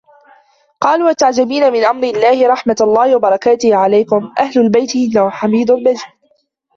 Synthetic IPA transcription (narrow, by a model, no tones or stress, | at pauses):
qɑːluːat̪ːaʕd͡ʒabiːnamɪnʔamɾɪlːaːhɪɾˤɑħmat̪alˤːɑːhɪwabɑɾˤɑkaːt̪ɪhʕalajkʊmʔahlʊlbajt̪ɪʔɪnːahʊħamiːd̪ʊlbad͡ʒiː